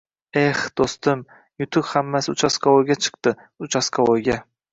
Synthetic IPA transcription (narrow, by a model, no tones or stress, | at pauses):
ehd̪̥ostd̪ɪm | jʊt̪ʰʊphamːasʊt͡ʃʰaskʰaojɡʲat͡ʃʰɨ̥q̚t̪ɪ | ʊt͡ʃʰaskʰaojɡʲa